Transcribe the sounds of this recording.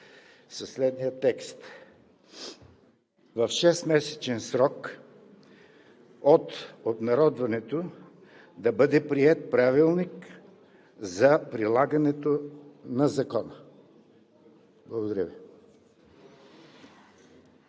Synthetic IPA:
sɐslɛd̪nijət̪ɛkst̪ | vɐfʃɛst̪mɛsɛ̥t͡ʃɛnsɾɔk | ot̪ob̪nɐɾɔd̪vɐnɛt̪o | d̪ɐbɤd̪ɛpɾiɛt̪̚pɾavilˠnik | zɐpɾilˠaɡɐnɛt̪onɐzɐkɔnə | blˠɐɡod̪ɐɾʲəvi

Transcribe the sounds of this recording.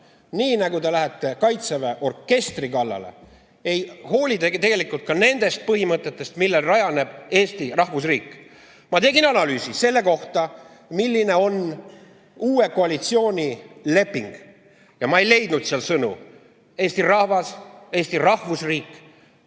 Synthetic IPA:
niːnɑɡut̪e̞læɦet̪ːˑe̞kɑjt̪seveʔo̞rkːe̞st̪rikɑlːɑ̰le̞̰ | e̞jho̞ːlʲit̪et̪eɡe̞likːˑult̪̚kɑne̞nd̪̥e̞st̪̚pɤɦimɤt̪ːˑet̪ːˑe̞st̪milːelrɑjɑne̞b̥e̞ːst̪irɑhvusriːkːˑ | mɑt̪e̞ɡinɑnɑlyːsise̞lːe̞ko̞ht̪ɑ | milːine̞o̞n | uːe̞ko̞ɑlit̪sio̞ːnʲile̞pːˑiŋɡ̥ | jɑmɑe̞jle̞jd̪̥nud̪seɑlsɤnṵ | e̞ːst̪irɑhvɑse̞ːst̪irɑhvusriːkˑː

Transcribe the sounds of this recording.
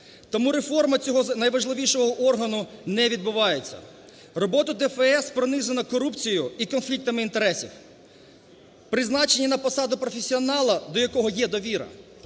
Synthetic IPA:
t̪ɔmuɾefɔrmɐt͡sʲɔɦɔnɐjʋɐʒlˠɪʋʲiʃɔɦɔʔɔrɦɐnʊnɛʋʲid̪̚bʊʋɑjet͡sʲːɐ̰ | rɔbɔt̪ɐd̪ɛfɛɛspɾɔnɪzenɐkɔɾupt͡sʲijʊikɔnflʲik̚t̪ɐmɪint̪e̞ɾɛsʲiw | pɾɪznɑt͡ʃenʲinɐpɔsɑd̪ʊpɾɔfʲesʲiɔnɑlˠɐd̪ɔjɐkɔɦɔjɛd̪ɔʋʲiɾɐ̰

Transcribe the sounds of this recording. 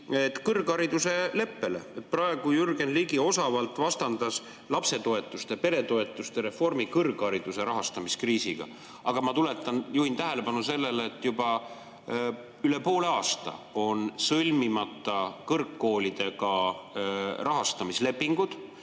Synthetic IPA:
et̪ːkɤrɡ̥ɑɾid̪use̞le̞pːe̞le̞̰et̪̚ˑprɑe̞ɡ̥ujyrɡe̞nliːɡio̞sɑvɑlt̪ːˑvɑst̪ɑnd̪̥ɑs | lɑpse̞t̪o̞e̞t̪ːˑust̪e̞pe̞ɾe̞t̪o̞e̞t̪ːˑust̪e̞ɾe̞fo̞rmikɤrɡ̥ɑɾid̪̥use̞ɾɑɦɑst̪ɑmiskriːsiɡ̥ɑ̰ | ʔɑɡ̥ɑmɑt̪ule̞t̪ːˑɑnjuhint̪æɦe̞le̞pɑnuse̞lːe̞lːt̪ːˑjubɑ | yle̞po̞ːle̞ɑːst̪ɑ̰o̞nsɤlʲmimɑt̪ːˑɑkɤrkːo̞ːlʲid̪̥e̞ɡ̥ɑ | rɑɦɑst̪ɑmisle̞pːiŋɡ̥ud̪̥

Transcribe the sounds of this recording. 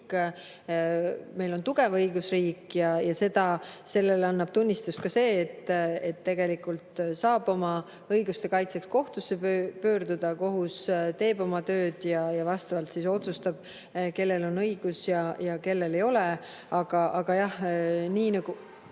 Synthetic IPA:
k | me̞jlo̞nt̪uɡe̞vɤjɡusriːkjɑjɑse̞d̪̥ɑse̞lːe̞lɑnːɑb̥t̪unʲːist̪ust̪̚kɑse̞ːt̪ːet̪ːe̞ɡe̞likːˑult̪sɑːb̥o̞mɑ | ɤjɡust̪e̞kɑjt̪se̞ksko̞ht̪usːepøpø̞ːrd̪ud̪̥ɑko̞ɦust̪e̞ːbo̞mɑt̪ø̞ːd̪̥jɑjɑvɑst̪ɑɑlt̪siso̞t̪sust̪ɑb̥ | ke̞lːelo̞nɤjɡ̥usjɑjɑke̞lːe̞le̞jo̞le | ɑɡ̥ɑʔɑɡ̥ɑjɑhniːnɑɡ̥u

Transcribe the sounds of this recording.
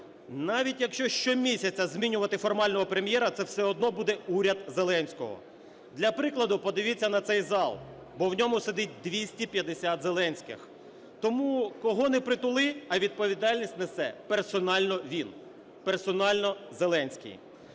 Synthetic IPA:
nɑʋʲitʲjɐkʃt͡ʃɔʃt͡ʃɔmʲisʲɐt͡sʲːɐzʲmʲinʲʊʋɐt̪ɪfɔrmɑlʲnɔɦɔpɾemʲjɛɾɐt̪sɛwsɛɔd̪nɔbud̪ɛuɾʲɐd̪zelˠɛnʲsʲkɔ̰ɦɔ̰ | d̪lʲɐpɾɪklˠɐd̪ʊpɔd̪ɪʋʲɪt͡sʲːɐnɐt̪sɛjzɑlˠ | bɔwnʲɔmʊsed̪ɪt̚ʲd̪ʋʲisʲtʲipʲjɐd̪esʲat̪zelˠɛnʲsʲkɪ̰x | t̪ɔmukɔɦɔnɛpɾɪt̪ʊlˠɪɐʋʲid̪̚pɔʋʲid̪ɑlʲnʲisʲtʲnɐsɛpersɔnɑlʲnɔʋʲin | persɔnɑlʲnɔzelˠɛnʲsʲkḭj

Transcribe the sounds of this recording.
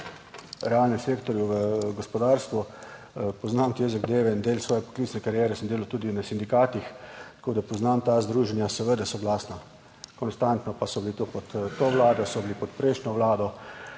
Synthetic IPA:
ɾɛalnɛmseːkt̪ɔɾjuʋəɡɔspɔd̪aɾst̪ʋu | pɔznamt̪jeːzɐɡd̪eːʋɛind̪eːlsʋɔːjɛpɔ̥klitsnɛkaɾjɛːɾɛsəmd̪eːlat̪uːd̪inasind̪ikaːt̪ixt̪koːd̪apɔznamt̪aːzd̪ɾuːʒɛnjasɛʋəd̪ɛsɔɡlaːsna | kɔnst̪ant̪nɔpasɔbilit̪opɔt̪t̪ːoʋlaːd̪ɔsɔbilipɔt̪pɾeʃnjɔʋlaːd̪ɔ

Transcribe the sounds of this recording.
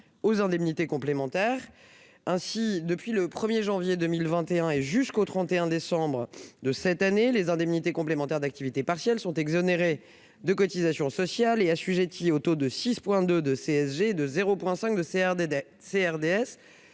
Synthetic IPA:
ozɛ̃d̪ɛmnit̪ekɔ̃plemɑ̃t̪ɛːʁ | ɛ̃sid̪əpɥiləpχəmjeʒɑ̃vjed̪əmilvɛ̃t̪eɛ̃eʒyskot̪χɑ̃t̪eɛ̃d̪esɑ̃bʁəd̪əsɛt̪anelezɛ̃d̪ɛmnit̪ekɔ̃plemɑ̃t̪ɛʁd̪ak̚t̪ivit̪epaʁsjɛlsɔ̃t̪ɛɡzɔneʁe | d̪əkɔt̪izasjɔ̃sɔsjaleasyʒet̪iot̪od̪əsispwɛ̃d̪ød̪əseɛsʒeːd̪əzeʁopwɛ̃sɛ̃kd̪ə | seɛʁd̪eɛs

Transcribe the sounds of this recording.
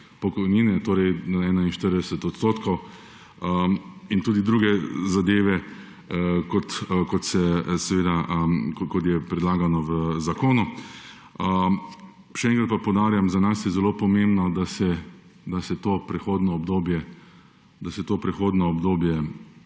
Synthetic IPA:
pɔkɔjniːnɛt̪oːɾɛjnaɛːnainʃt̪əɾd̪ɛsɛt̪ɔt̪st̪oːt̪kʰɔw | əint̪uːd̪id̪ɾuːɡɛzad̪eːʋɛ | kɔt̪kɔt̪sɛsɛʋeːd̪aəkɔt̪jɛpɾɛd̪laːɡanɔʋəzakoːnu | ə | ʃɛɛ̃ːŋkɾat̪̚papɔwd̪aːɾjamzanasjɛzɛloːpɔmẽmbnɔd̪asɛ | d̪asɛt̪oːpɾɛxoːd̪nɔɔbd̪oːbjɛ | d̪asɛt̪oːpɾɛxoːd̪nɔɔbd̪oːbjɛ

